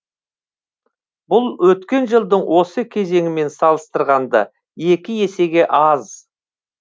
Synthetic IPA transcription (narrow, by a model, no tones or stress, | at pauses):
bʊlˠwɵt̪kʲe̞nʒəlˠd̪əɴwo̞səkʲʰe̞ze̞ŋɪme̞nsɑlˠəst̪əɾʁɑnd̪ə̰ | je̞kʲɪje̞se̞ɡʲe̞ʔɑz